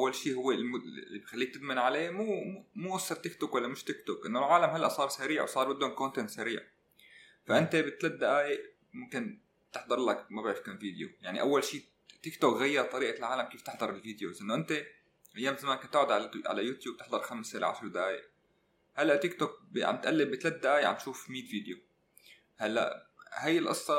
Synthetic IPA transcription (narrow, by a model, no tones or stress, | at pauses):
ʔawːalʃiːhʊwːelmlːibxalːiːk̚t̪ɪd̪manʕaleːmuːmuːʔɑsˤːɑɾt̪ɪkt̪okwalːamɪʃt̪ɪkt̪okʔɪnːʊlʕaːlamhalːa̰ʔsˤɑːɾˤsaɾiːʕwsˤɑːɾˤbɪd̪ːʊmkont̪ent̪saɾiːʕ | faʔɪnt̪abɪt̪lat̪̚d̪ɪʔaːʔɪʔ | mʊmkɪn | t̪ɪħd̪ˤɑɾˤlakmabaʕɾɪfkanviːd̪jo̰jaʕnḭʔawːalʃiː | t̪ːɪkt̪okɣajːɑɾt̪ˤɑɾiːʔalʕaːlamkeːft̪ɪħd̪ˤɑɾˤɪlviːd̪joɪsʔɪnːoʔɪnt̪e | ʔajːaːmzajmːakʊnt̪aʕʊd̪ʕaʕa̰lajuːt̪juːb̚t̪ɪħd̪ˤɑɾˤxamsʔɪla̰ʕa̰ʃɑɾˤd̪aʔaːjḭʔ | halːaʔt̪ɪkt̪ok̚bʕa̰mt̪ʔalːɪbbɪt̪alaːt̪̚d̪ɪʔaːjʕa̰mt̪ʃuːfmiːt̪viːd̪jo | halːa̰ʔhajːɪlʔɑ̰sˤːɑ